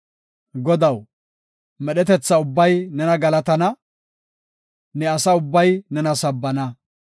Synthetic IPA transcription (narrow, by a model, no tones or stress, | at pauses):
ɡɔd̪ɐw | mɛɗɛt̪ɛt͡sːɐʊbːɐjnɛnɐɡɐlɐt̪ɐnɐ | nɛɐsɐʊbːɐjnɛnɐsɐbːɐnɐ